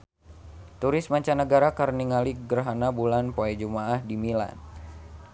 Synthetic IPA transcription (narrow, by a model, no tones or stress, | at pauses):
t̪uɾɪsmaɲt͡ʃanəɡaɾakarniŋaliɡərɦanabulanpoɛd͡ʒumaahdimila̰n